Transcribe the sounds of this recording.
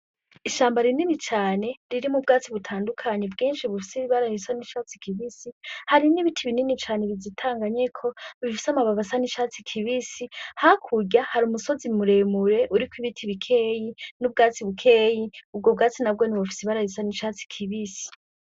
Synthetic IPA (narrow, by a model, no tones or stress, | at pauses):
iʃaːmbaɾinimit͡ʃaːne̞ɾiɾimub̚ɡaːt͡siβutʰaːndukʰaɲebɡiːnʃiβufisiβaɾahisaniʃaːt͡si̥kʰiβisihaɾiniβitʰiβininit͡ʃaːneβizitʰaːŋɡaɲe̞kʰo̞βifi̥samaβaβasaniʃaːt͡sikʰiβisihakʰuɟahaɾumuso̞zimuɾe̞muɾe̞ʔuɾikwiβitʰiβikʰe̞ːjinub̚ɡaːt͡siβukʰe̞ːjiub̚ɡo̞b̚ɡaːt͡sinab̚ɡo̞niβafi̥siβaɾahisaniʃaːt͡si̥kʰiβisi̥